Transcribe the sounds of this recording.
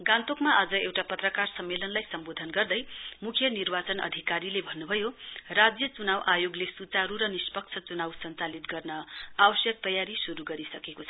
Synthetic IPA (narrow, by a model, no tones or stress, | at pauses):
ɡãnt̪okmaʌd͡zʌewʈapʌt̪rʌkarsʌmːelʌnlajsʌmbod̪ʱʌnɡʌrd̪ʌjmukʰjʌnirbat͡sʌnʌ̰d̪ʱikaɾilebʱʌnːubʱʌjorad͡zjʌt͡sunawʔajoɡlesut͡saɾuɾʌnispʌk̚t͡sʰʌt͡sunawsʌnt͡salit̪ɡʌrnʌawʌsjʌk̚t̪ʌjaɾisuɾuɡʌɾisʌkekot͡sʰʌ